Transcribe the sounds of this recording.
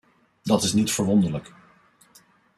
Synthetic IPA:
dɑtɪsnitfəɹʋɔndəɹlək

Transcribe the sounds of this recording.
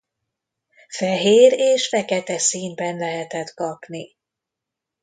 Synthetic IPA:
fɛɦeːɾeːʃfɛkɛt̪ɛsiːmbɛnlɛɦɛt̪ɛt̪kɒpni

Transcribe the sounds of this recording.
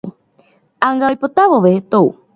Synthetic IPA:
aŋɡaojpot̪aʋoʋet̪ou

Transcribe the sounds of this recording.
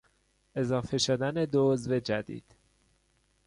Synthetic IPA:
e̞zɒːfe̞ʃod̪æne̞d̪ozve̞d͡ʒæd̪ḭːd̪̥

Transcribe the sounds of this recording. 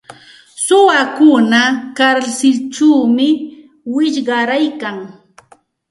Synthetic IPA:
sʊwakʊnakaɾsɪlt͡ʃuwmɪ | wɪʎɢɑɾajkaŋ

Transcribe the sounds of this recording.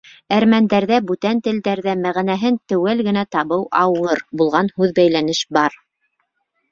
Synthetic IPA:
æɾmænd̪æɾðæbʉt̪ænt̪ɘ̆ld̪æɾðæmæʁænæɦɘnt̪ɘ̆wælɡɘ̆næt̪ɑβɤwʔɑwɤɾbulˠʁɑnhʉðbæjlænɘʃbɑɾ

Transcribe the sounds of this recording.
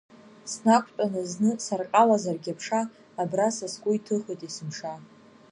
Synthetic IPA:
snakʷʰʼtʼanɨznɨsarqʼalazarɡʲapʰʂaː | brasaskʷʼʊitʰɨχejtʼisɨmʂa

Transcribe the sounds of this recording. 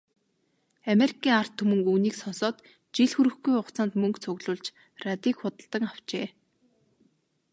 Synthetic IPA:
ameɾikʰiːŋar̥t̪ʰːɵmɵ̆ŋuːniːksɔnsɔːt̪ | t͡ɕiɮxuɾɘ̆xɡujʊχt͡saːnt̪mɵŋkt͡sʰʊɣɮʊːɮt͡ɕ | rat̪iːkχʊt̪ə̆ɬt̪ə̆kaw̥t͡ɕeː

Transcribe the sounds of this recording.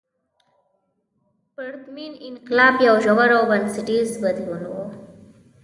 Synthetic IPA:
pəɾt̪mininklapjawd͡ʒɔʋəɾobənsiʈizbəd̪ʱluno

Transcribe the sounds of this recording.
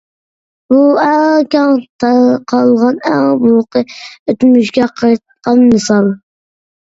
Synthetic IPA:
buæŋkʲɑŋt̪ʰqʰɑlˠʁɑnæŋbʊlqɨøt̪myʃ̬ɡʲɛqʰɑjt̪̚qɑnmɨsɑlˠ

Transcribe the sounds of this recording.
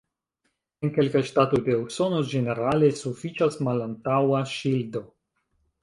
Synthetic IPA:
enke̞lkajʃtato̞jde̞ukso̞no̞d͡ʒe̞ne̞ɾale̞sufit͡ʃasmalantawaʃildo̞

